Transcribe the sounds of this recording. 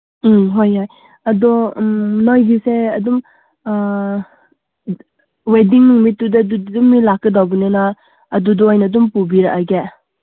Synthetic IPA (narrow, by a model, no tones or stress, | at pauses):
ɦojhoj | ɐdɔnojɡiseɐdum | wediŋnuŋmitːudɐduumːilakːɯdawɡinenaː | dudɔojnadumpubiɾa̰ʔaɡe